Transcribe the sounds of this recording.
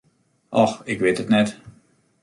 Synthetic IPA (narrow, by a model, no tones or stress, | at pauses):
ʔɔxɪkʋetətnɛt